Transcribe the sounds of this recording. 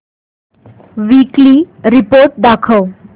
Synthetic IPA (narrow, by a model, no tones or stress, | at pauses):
ʋikli | ɾipoɾʈ̚d̪akʰəw